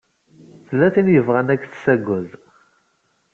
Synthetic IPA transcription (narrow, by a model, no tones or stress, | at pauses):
θəlːæθinjəvʁənækːθsæɡʷʊð